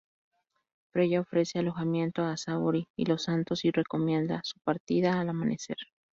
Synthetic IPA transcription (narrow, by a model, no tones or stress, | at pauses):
fɾe̞ʝaofɾe̞se̞alo̞xamje̞nt̪oasaβoɾiḭlo̞sant̪o̞sire̞ko̞mje̞nd̪asu̥paɾt̪iðaːlamanʔe̞se̞̰ɾ